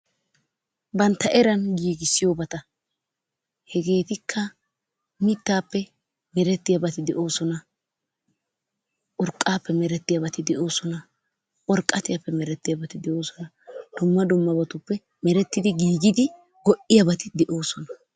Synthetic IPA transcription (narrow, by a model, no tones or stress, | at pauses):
bɐnt̪ːɐʔɛɾɐnɡiːɡɪsːɪjoːbɐt̪ɐ | hɛɡe̞ːt̪ɪkʰːɐ | mɪt̪ːaːpːɛ | mɛɾɛt̪ːɪjɐbɐt̪ɪd̪ɛʔo̞ːsɔnɐ | ʔʊɾkʼːaːpːɛmɛɾɛt̪ːɪjɐbɐt̪ɪd̪ɛʔo̞ːsɔnɐ | ʔʼɔɾkʼːɐt̪ɪjɐpːɛmɛɾɛt̪ːɪjɐbɐt̪ɪd̪ɛʔo̞ːsɔnɐ | d̪̥ʊmːɐd̪ʊmːɐbɐt̪ʊpːɛ | mɛɾɛt̪ːɪd̪ɪɡiːɡɪd̪ɪ | ɡɔʔɪjɐbɐt̪ɪd̪ɛʔo̞ːsɔnɐ